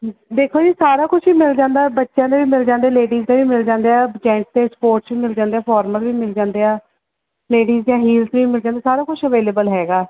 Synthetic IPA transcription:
d̪eːkʰoːd͡ʒiːsaːɾaːkʊt͡ʃʰʋiːmɪld͡ʒãːnd̪aːbətːʃjãːd̪eːʋiːmɪld͡ʒãːnd̪eːleːɖiːzd̪eːʋiːmɪld͡ʒãːnd̪eːɛːd͡ʒɛ̃ːɳʈ̚t̪eːspoːɾʈsʋiːmɪld͡ʒãːnd̪eːaːpʰɔːɾməlʋiːmɪld͡ʒãːnd̪eːaː | leːɖiːzd͡ʒãːɦiːlsʋiːmɪld͡ʒãːd̪aːsaːɾaːkʊt͡ʃʰəʋeːleːbəlɦɛːɡaː

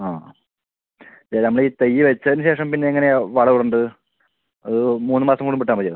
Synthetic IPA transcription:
aː | t͡ɕeːnɐmːɐɭiːt̪ejːiʋɐt͡ɕːɐðinɨɕ̬e̞ːʂɐmpinːe̞iŋːɐne̞ʋɐɭɐʋuɽuɳɖɨ | ɐðɨmuːnːɨmaːsɐmkoːɽumbpiʈːaːmpɐt͡ɕːjeː

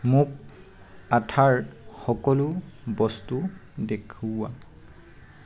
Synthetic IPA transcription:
mʊk̚ | atʰaɹxɔkɔlʊbɔstudekʰua

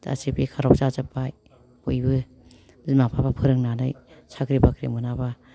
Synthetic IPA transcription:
da̰sepikʰaɾɔk̚sazɯpaj | ojbɯ | ɯmapʰabapʰɯɾɯŋnanɯjsʰakɾibakʰɾḭmɯnaba

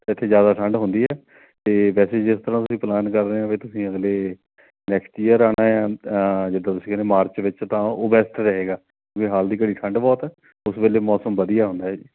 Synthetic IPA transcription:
ɪt̪ʰːeːzjaːd̪aːʈʰəɳɖɦʊ̃nd̪iːɛː | t̪eːʋɛːseːd͡ʒɪst̪əɾãːt̪ʊsĩːplaːnkəɾːɦeãːʋeːt̪ʊsĩːəɡleː | nɛːksʈiːəɾaːnaːjaːd͡ʒɪd̪ãːt̪ʊsĩːkɛːneːmaːɾt͡ʃʋɪt͡ʃt̪ãːoːbɛːstɾəɦeːɡaːkjõːkiɦaːld̪iːkəɽiːʈʰəɳɖbɔːt̪ɛː | ʊsbeːleːmɔːsəmʋəd̪ijaːɦʊ̃ːnd̪aːɦɛːd͡ʒiː

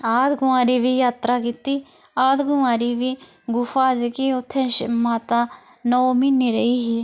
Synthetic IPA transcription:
aːd̪ɡʊʋaːɾiːʋiːjaːt̪ɾaːkiːt̪iː | aːd̪ɡʊaːɾiːʋiː | ɡʊfaːd͡ʒkiːʊt̪ʰːẽːʃmaːt̪aː | nɔːmiːniːɾəiːɦiː

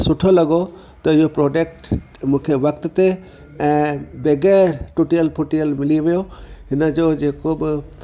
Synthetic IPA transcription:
sʊʈʰolaɡo | t̪ɔijopɾɔɖek̚ʈ | mũkʰebəkt̪t̪e | beɡɛʈuʈijəlpʰuʈiəlmilimejoɦinad͡ʒod͡ʒekob

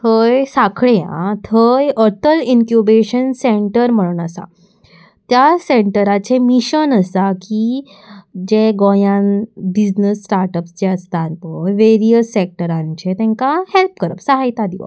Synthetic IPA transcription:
hʰəjsakʰɭejã̰t̪ʰəjəɾt̪ʰəliŋkjubeɕənseɳʈəɾm̤əɭunəsa̰ | t̪jaseɳʈəɾat͡ɕemiɕənəsaki | d͡ʑeɡojãnbid͡ʑnəsːʈaɾʈəpsd͡ʑeəst̪aɾpəjʋeɾijəsːek̚ʈəɾãɲt͡ɕet̪ɛ̃ŋkahelpkəɾəpsəɦajt̪ad̪iʋa̰

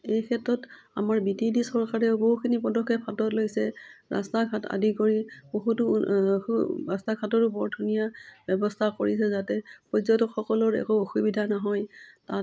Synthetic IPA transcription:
ejkʰɛtɹɔta̰maɹbitidisɔɹkaɹɛboɦukʰinipɔdɔkʰːɔpʰatɔtlojsɛɹa̰stakʰata̰dikoɹib̥oɦutʊ̰uastakʰatɔɹʊbɔɹdʱunijabɛbɔstʰakoɹisɛzatɛpɹɔzɔtɔkxɔkɔlɔɹɛ̰kooxubidʱanaɦɔjtat

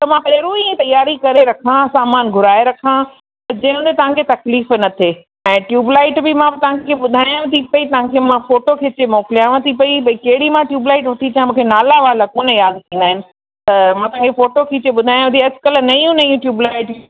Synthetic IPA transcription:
t̪ɐmãpeɾũĩt̪ɐjaːɾikɐɾeɾɐkʰãsaːmaːnɡʱʊɾaːeɾɐkʰã | t̪ɐd͡ʑɐ̃ɦɪ̃ɦʊ̃nd̪et̪ɐʋ̤ãkʰet̪ɐkliːfnɐt̪ʰe | ɛ̃ːʈjuːblaːɪʈbɪmãɪt̪ɐʋ̤ãkkʰeɓʊd̪ʱaːjãt̪ʰipɐit̪ɐʋ̤ãkʰemãfoːʈokʰet͡ɕemoːkɪlijaːʋə̃t̪ʰipɐibɐikɐɦɪɽimãʈjuːblaːɪʈʋɐt̪ʰit͡ɕãmũːkʰenaːlaʋaːlakoːnəjaːd̪̚kĩːnd̪aːɦɪnɪ̆ | t̪ɐmãt̪ɐɦãŋkʰefoːʈokʰit͡ɕeɓʊd̪ʱaːj̃t̪ʰiɐskɐlnɐiũnɐiũːʈjuːblaːɪʈ

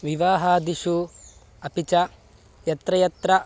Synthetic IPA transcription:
ʋiʋaːɦaːd̪iʃu | ɐpit͡ʃɐ | jɐt̪ɾɐjɐt̪ɾɐ

